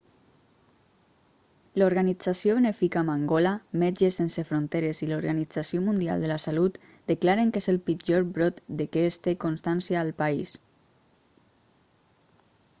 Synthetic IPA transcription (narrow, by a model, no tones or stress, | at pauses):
loɾɣanid͡zasjoβenefikamaŋɡolamed͡ʒesensefɾont̪eɾeziloɾɣanid͡zasiomund̪ia̰lˠd̪əlasalut̪ | d̪̥əklaɾeŋkezelˠpid͡ʒoɾbɾot̪d̪əkɛst̪ekonst̪ansjaːlˠpais